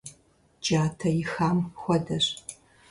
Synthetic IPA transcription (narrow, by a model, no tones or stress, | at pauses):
d͡ʒaːtʰɐjɪxaːmxʷɔdɐr